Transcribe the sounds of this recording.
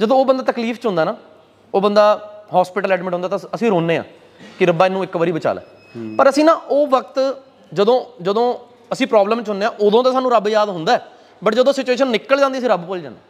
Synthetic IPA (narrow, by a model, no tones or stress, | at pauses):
d͡ʒəd̪õːoːbənd̪aːt̪əkliːfʰt͡ʃʊ̃nd̪aːnaː | oːbənd̪aːɦɔːspɪʈəlɛːɖmɪʈɦõnd̪aːt̪aəsĩːɾoːnːeːã̰ː | kɪɾəbaːɪnːũːɪkʋəːɾiːbət͡ʃa̰ːlɛ̰ː | pəɾəsĩːnãːʔoːʋək̚t̪ | d͡ʒəd̪õːd͡ʒəd̪õː | əsĩːpɾɔːbləmt͡ʃɦʊneːãːʔʊd̪õːt̪aːsaːnũːɾəbjaːd̪ɦʊnd̪aːɛː | bəʈd͡ʒəd̪õːsɪt͡ʃueːʃənːɪkːəld͡ʒãːnd̪iəs̬ĩɾəbpʊld͡ʒã̰ːnd̪aː